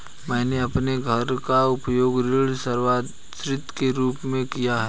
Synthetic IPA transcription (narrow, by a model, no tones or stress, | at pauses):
mɛ̃ːneɐpneɡʱɐɾkaʊpjoːɡɾɪɭsəɾʋaː | sɾɪt̪keɾuːpmẽkijaɦɛ